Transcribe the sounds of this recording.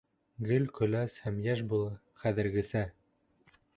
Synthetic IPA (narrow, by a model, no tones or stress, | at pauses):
ɡɘlʲkɵ̆læshæmjæʃbulˠɤ | χæðɘ̆ɾɡɘ̆sæ